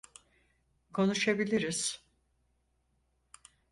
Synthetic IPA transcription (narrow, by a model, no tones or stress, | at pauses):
kʰo̞nuʃabilʲiɾiz̥